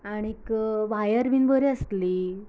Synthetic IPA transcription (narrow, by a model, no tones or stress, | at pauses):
aɽ̃iekʋajəɾbinbəɾiəst̪liː